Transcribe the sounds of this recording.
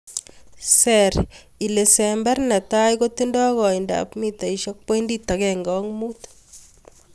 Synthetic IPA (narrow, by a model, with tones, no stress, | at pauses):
sɛɾ | i˨le˨sɛ˨mbɛ˦ɾnɛ˨t̪a˦jko˦t̪i˦ndɔ˦ɣɔ˨i˨nda̰pmi˦t̪a˨iʃɔ˦k̚pe˦ndi˦t̪a˨kɛŋɡɔŋmu˦t̪